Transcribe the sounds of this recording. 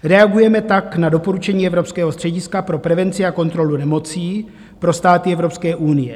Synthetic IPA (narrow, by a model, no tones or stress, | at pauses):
ɾɛaɡujɛmɛt̪aknado̞po̞ɾut͡ʃɛɲiːɛvɾo̞pskɛːɦost̪r̥ɛɟɪskapɾo̞pɾɛvɛnt͡sɪako̞nt̪ɾolunɛmo̞t͡siː | pɾo̞st̪aːt̪ɪɛvɾo̞pskɛːʔunɪjɛ̰